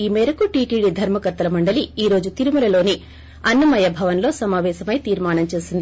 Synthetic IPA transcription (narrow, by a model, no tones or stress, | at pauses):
iːmɛːɾɐkuʈiːʈiːɖid̪ʱɐɾmɐkɐt̪ːɐlɐmɐɳɖɐliiːɾo̞ːd͡ʒut̪iɾumulɐlo̞ːni | ɐnːɐmɐjɐbʱɐʋɐnlo̞ːsɐmaːʋɛːʃɐmɐjt̪iːɾmaːɳɐmt͡ʃe̞ːsind̪ii